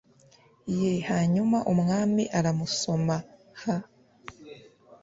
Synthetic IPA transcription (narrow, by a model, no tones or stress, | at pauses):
je̞haːɲumaʔumŋaːmiʔaɾamuso̞ma | ha